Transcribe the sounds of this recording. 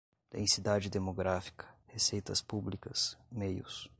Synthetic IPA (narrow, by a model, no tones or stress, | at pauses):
d̪̥ḛ̃sid̪ad͡ʒɪd̪emoɡɾafi̥kʰɐ̥hesejt̪ɐspublikɐsmejʊs